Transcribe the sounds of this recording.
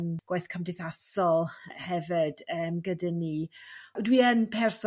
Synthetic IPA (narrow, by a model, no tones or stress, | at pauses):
mɡ̥wajθkʰəmdɪθasɔlˠhɛvɪd̥əːmɡədanidwiənpʰɛrs